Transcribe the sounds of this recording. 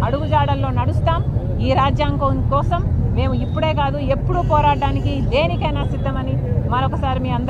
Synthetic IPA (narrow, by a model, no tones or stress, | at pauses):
ɐɽuɡud͡ʒaːɽɐlːo̞ːnɐɽust̪aːm | iːɾaːd͡ʒjaːŋkoːnkɔːsɐmːe̞ːmuipːuɽe̞ːkaːd̪ue̞pːuɽupɔːɾaːaːnikid̪e̞ːnikɐjnaːsid̪ʱːɐmɐni | mɐnɔkɐsaːɾimiːɐnd̪